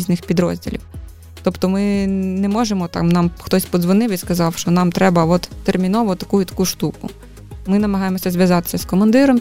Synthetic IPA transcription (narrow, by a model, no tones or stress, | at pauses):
zʲnɪxpʲid̪ɾɔ̰zʲdʲḭlʲiw | t̪ɔpt̪ɔmɪnɛmɔʒemɔt̪ɑ̰mnɑmxt̪ɔsʲpɔzʋɔnɪwiskɐzɑwʃt͡ʃɔnɑmt̪ɾɛbɐʋɔt̪ːermʲinɔʋʊt̪ɐkujʊt̪ɐ̥kuʃt̪ukʊ̰ | mɪnɐmɐɦɑjemɔsʲɐzʋʲjɐzɑt̪ɪ̥sʲɐskɔmɐnd̪ɪɾɔm